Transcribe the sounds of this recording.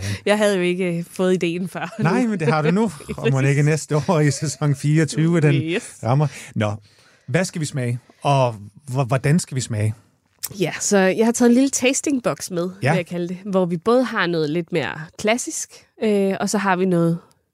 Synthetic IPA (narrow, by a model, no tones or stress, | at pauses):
jɑ̈ɪɦæð̞̩ˠjo̝e̝ɡ̥əfɔ̽ːð̞̩ˠid̥e̝̰ːn̩fɶɐ̰nɑɪ̰mend̥e̝ɦɑ̈ɾ̥unumne̝ɡ̥ənesd̥əɒ̰ːisesɒ̽ŋ̰fiːɐɒt͡sʰyːʊd̥ensʁɑ̈mɐnɒ̽ | ʋæsɡ̥æʋismɛɪ | ɒ̽ʋɒd̥ænsɡ̥æʋismɛɪ | jæsɒ̽jɑ̈ɪhɑ̈t͡sʰɛðˠenlilət͡sʰesd̥e̝ŋb̥ɒ̽ɡ̥smeð̞ˠjɑkʰæləd̥e̝ʋɒʋib̥ɔ̽ːð̞̩ˠɦɑ̈nɔ̽ːð̞̩ˠle̝d̥me̝ːɐ̰kʰlæsisɡ̥ | øɒ̽sɒ̽ɦɑ̈ʋinɔ̽ːð̩ˠ